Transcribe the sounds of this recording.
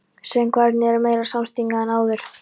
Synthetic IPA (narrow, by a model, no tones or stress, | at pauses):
sɛmkʰvaɾt̪nɪɛɾɾmeːjɾḁsamst̪iŋkaɛnaːwðʏɾ̥